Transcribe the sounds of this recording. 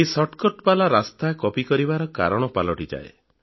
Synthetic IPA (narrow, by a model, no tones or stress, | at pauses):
esɔʈkɔʈpalaɾast̪akɔpikɔɾibaɾɔka̰ɾɔɽ̃ɔpalɔʈid͡ʒa̰ḛ